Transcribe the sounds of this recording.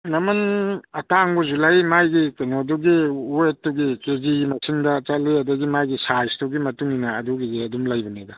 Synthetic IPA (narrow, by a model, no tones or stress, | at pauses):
nɐmɐnɐtaŋbuzulajmajɡikenoduɡiuetːuɡikeziɡimɐsʰiŋdɐt͡ʃaliɐdɐɡimajɡisajstuɡimɐtuŋinɐːduɡiɡiɐdumlajbɐnedɐ